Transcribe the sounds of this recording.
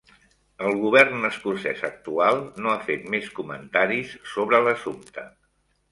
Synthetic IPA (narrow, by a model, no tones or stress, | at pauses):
əlˠɣuβ̞ɛrnəskursɛsək̚t̪ualˠnoafet̪meskumənt̪aɾisːoβɾələsumt̪ə